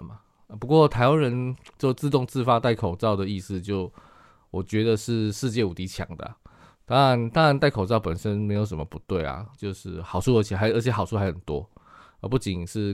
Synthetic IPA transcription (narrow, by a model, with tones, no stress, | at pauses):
ma˩ | pu˧˥kwɔ˥˨t̪ʰa˧˥ɪwa˥˦nɻə˧˦nt͡ɕjo˥˧ʊt͡sɹ̩˥˧t̪̬ʊ˥˧ŋt͡sɹ̩˥˧fa˥t̪a˥˩ɪkʰo˨˩ʊt͡sɑ˥˨ʊd̪ə˩i˥˧sɹ̩˥˧t͡ɕjo˥˩ʊ | wɔ˨˩t͡ɕɥɛ˨˧˥d̪ə˨ʂɻ̩˥˧ʂɻ̩˥˧t͡ɕjɛ˥˩u˨˩t̪i˧˥t͡ɕʰjɑ̰˧˥ŋd̪ə̰˨ | t̪a˥ŋɻa˧˦nt̪a˥ŋɻa˧˦nt̪a˥˩ɪkʰo˨˩ʊt͡sɑ˥˩ʊpə˨˩nʂə˦nme˧˥ɪjo˧˥ʊʂ̬ə˧˦mə̰˨pu˧˦˥t̪we˥˩ɪa̰˩t͡ɕjo˥˧ʊʂɻ̩˥˩xɑ˨˩ʊʈ͡ʂʰu˥˩ə˧˥t͡ɕʰɛ˨˩a˧ɪʔə˞˧˥t͡ɕʰɛ˨˩˥xɑ˨˩ʊt͡sʰu˥˩xa˧˥ɪxə˨˩nt̪wɔ̰˦˥ | ə˧˥pu˥˩t͡ɕi˨˩nʂɻ̩˥˩